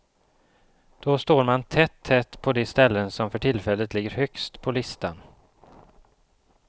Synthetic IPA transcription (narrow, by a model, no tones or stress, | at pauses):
d̪̥ɔst̪oːɾmant̪ʰɛt̪ʰːɛt̪ːpʰɔd̪ɛst̪ɛlːənsɔmfœʈʰɪlfɛlːət̪lɪɡːəɾhœkst̪pʰɔlɪst̪an